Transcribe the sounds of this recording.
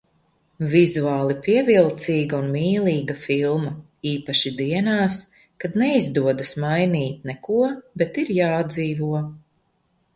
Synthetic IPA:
vizuaːlˠipiɛvilˠt̪siːɡaunmiːlˠiːɡafilˠmɐ | iːpaʃid̪iɛnaːs | kad̪nɛizd̪uɔd̪asmajniːt̪nɛkuɔbɛt̪iɾjaːd̪ziːvuɔ

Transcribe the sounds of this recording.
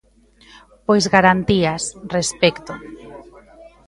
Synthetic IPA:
pojzɣaɾant̪iasrespɛkt̪o

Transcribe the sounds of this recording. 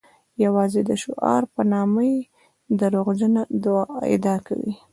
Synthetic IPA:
jawɑzed̪əʃoʔɑ̰ɾpənɑməj | d̪əɾoɣd͡ʒənad̪wɑɪ̰d̪ɑka̰wḭ

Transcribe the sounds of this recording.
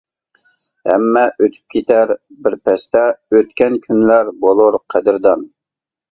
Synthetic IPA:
hɛ̰mːɛʔøt̪ʰy̥p̚kʲʰet̪ʰæɾbɪɾpɛst̪ɛøt̪̚kʲɛnkʲʰynlæɾbolˠuɾqʰæd̪ɪɾd̪ɑn

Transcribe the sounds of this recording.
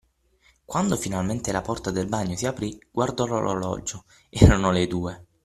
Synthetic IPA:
kwand̪ofinalment̪elapɔrt̪ad̪elbaɲːosiapɾiɡ̥ward̪ɔlolo̰lɔ̰d͡ʒo | ɛɾanoled̪uːe

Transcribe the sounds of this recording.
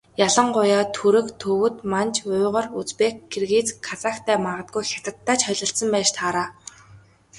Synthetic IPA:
jaɮə̆ɴɢʊjaːt̪ʰuɾɘ̆kt̪ʰɵwɵ̆t̪mant͡ɕʰʊːʁə̆rut͡speːkɡerɣiːt͡skʰːat͡sakt̪ʰæːmaʁə̆t̪̚ɡujxʲjat̪ə̆t̪ːaːt͡ɕχœɮɞ̆ɬt̪sə̆mpæːʃt̪ʰaːɾaː

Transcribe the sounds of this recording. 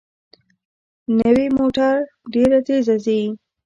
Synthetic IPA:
nəwimoʈaɾ | ɖeɾat̪ezazi

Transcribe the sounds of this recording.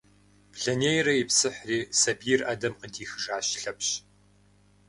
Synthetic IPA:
pɮɐneːjrɐjɪpsɨħriːsɐbirʔɐdɐmqədiːxɨʒaːɕɬɐpɕ

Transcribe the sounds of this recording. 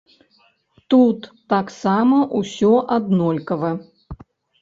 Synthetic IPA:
t̪ut̪ːaksamɐʔusʲɔʔad̪nɔlʲkɐvɐ

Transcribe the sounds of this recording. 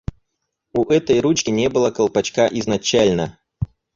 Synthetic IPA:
uʔɛt̪əjɾut͡ɕkʲɪnʲebɨlˠəkəlˠpɐt͡ɕkaʔiznɐt͡ɕælʲnə

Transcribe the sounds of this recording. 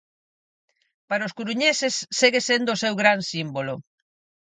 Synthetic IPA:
paɾaoskuɾuɲesesːeɣesend̪ʊːsewɣɾansimbolo

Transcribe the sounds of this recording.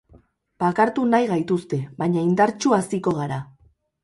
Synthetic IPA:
b̥akaɾt̪unajɣajt̪ust̪e̞βaɲaind̪aɾt͡ʃuasiko̞ɣaɾa

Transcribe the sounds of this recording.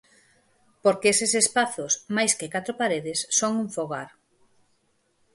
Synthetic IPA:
poɾkeesɪsespaθʊsmajskɪkat̪ɾopaɾeðɪsːoŋuɱfoɣaɾ

